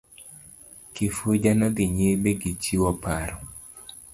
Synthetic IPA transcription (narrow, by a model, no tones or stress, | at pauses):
kɪfud͡ʒanɔɡɪɲebeɡit͡ʃiwɔpaɾɔ